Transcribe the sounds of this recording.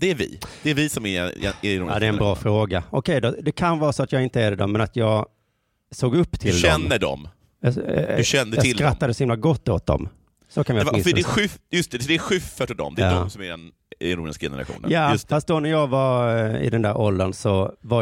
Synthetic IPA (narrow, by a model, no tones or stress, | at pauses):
d̪̥ɛæɾvɪ̰d̪̥ɛæɾvɪsɔmæɛ̰ɛnuad̪ɛɾɛnbɾɑːfɾoːɡaɔkʰɛjd̪ɔd̪ɛkʰanvɑːɾasɔat̪jɑɡɪnt̪əæɖ̪ɛd̪ɔmːɛnat̪jɑːɡ | soːɡɵpːt̪ʰɪldɛmnːəɖɔ̰m | jɑɛnɑɪslkɾat̪ːad̪əsɔhɪmlaɡɔt̪ːoːt̪̚d̪ɔ̰m | sɔkʰanjasdɛɧʉfjɵst̪ɛd̪ɛæɧʉfːəʈɔd̪ɔ̰md̪ɛdɔmsɔmæɖɛn | numd̪ɛskɪnɾɛ̰a̰ɧṵnəjaːstffast̪d̪ɔnæɾjɑːɡvaɾɪ̰d̪ɛnd̪æːɾʔɔld̪ənsɔva